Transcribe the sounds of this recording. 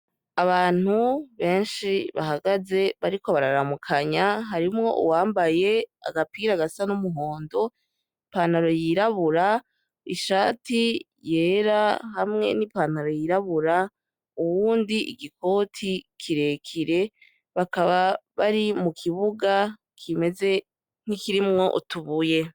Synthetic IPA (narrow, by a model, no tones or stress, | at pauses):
aβaːn̥huβe̞ːnʃiβa̰ɦaɡaze̞βaɾiko̞βaɾaɾamukʰaɲaɦaɾimŋo̞̰ʔṵwaːmbaje̞a̰ɡapiːɾaɡasanumuɦo̞ːndo̞ | paːnaɾo̞jiɾaβuɾa | iʃaːti | je̞ːɾahamŋe̞̰nipanaɾo̞jiɾaβuɾa | uβwuːndiʔḭɡiko̞ːtʰikʰiɾe̞kʰiɾe̞ | βakaβaβaɾimukʰiβuɡa | kʰime̞ze̞ | n̥ikiɾimŋo̞ʔṵtuβuje̞